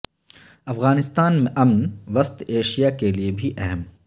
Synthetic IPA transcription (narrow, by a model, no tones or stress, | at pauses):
ɐfɣaːnɪst̪aːnmẽʔɐmnʋɐst̪eːʃijakeliebʱiʔɛɦɛm